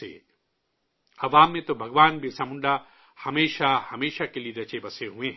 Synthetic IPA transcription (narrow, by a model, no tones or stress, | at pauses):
ḛ | ɐʋaːmːẽt̪obʱɐɡʋaːnbʱisɐmʊɳɖa | hɐmeːʃahɐmeːʃakelieɾɐt͡ʃebɐseɦũẽɦ